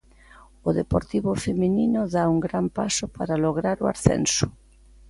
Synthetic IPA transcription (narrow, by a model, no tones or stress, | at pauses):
oðepo̰ɾt̪iβofemininʊðauŋɡɾampasopaɾaloɣɾaɾoa̰ɾθḛnsʊ̥